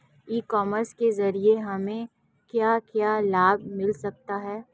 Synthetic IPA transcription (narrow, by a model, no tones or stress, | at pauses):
iːkɔːməɾskezɐɾieɦɐmẽ | kjaːkjaːlaːbʱmɪlsɐk̚t̪aɦɛː